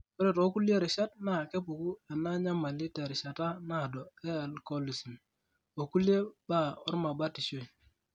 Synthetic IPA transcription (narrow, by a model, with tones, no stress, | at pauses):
bɾe˨to˨˦ku˦le˦ɾi˨ʃa˦t̚na˦˨ke˦pu˨ku˦e˨na˦ɲa˦ma˨li˦te˨ɾi˨ʃa˨ta˦na˦˨dɔ˨e˦a˨lko˦li˨si˨n | o˨ku˦li˦e˦ba˦˨ɔ˦ɾma˨ba˦ti˨ʃo˦i˨